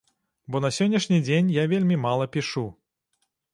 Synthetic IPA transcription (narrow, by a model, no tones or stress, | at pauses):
bɔnɐsʲɔnʲːɐʂnʲid͡zʲenʲjavʲelʲmʲimalˠɐpʲiʂu